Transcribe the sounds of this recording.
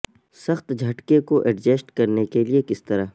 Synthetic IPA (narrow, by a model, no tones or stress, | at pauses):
sɐxt̪d͡ʒʱɐʈkekoʔɛɖd͡ʒeːsʈkɐɾnekeliekɪst̪ɐɾaː